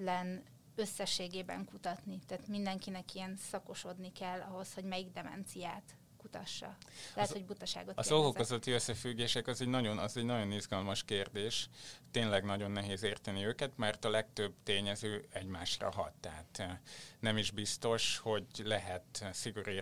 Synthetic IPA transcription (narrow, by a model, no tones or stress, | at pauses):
lɛn | ø̞sːɛʃːeːɡeːbɛ̰ŋkut̪ɒt̪nit̪aːt̪mind̪ɛŋkinɛkiɛnsɒko̞ʃo̞d̪nikɛlːɒɦo̞sho̞ɟmɛjiɡd̪ɛmɛ̰nt̪sijaːt̪ | kut̪ɒʃːɒ̰ɛhɛtzho̞ɟbut̪ɒʃa̰ːɡot̪ɒoɦokozott̪iøsːɛfyɡːeːʃɛkɒzɛɟnɒɟo̞nɒzɛɟnɒɟo̞nizɡɒlmɒʃkeːrd̪eːʃt̪eːnlɛɡnɒɟo̞nːɛɦeːzeːrt̪ɛniøːkɛt̪mɛrt̪ɒlɛk̚t̪øbt̪eːɲɛzøːɛɟmaːʃrɒ̰ɦɒ̰t̪ːɛɦaːt̪nɛmiʒbist̪o̞ʃho̞ɟlɛɦɛt̪siɡoɾi